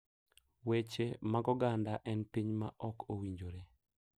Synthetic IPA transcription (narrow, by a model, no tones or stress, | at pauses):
wet͡ʃemaɡɔɡandaʔɛnpiɲmaʔɔkowiɲd͡ʒoɾe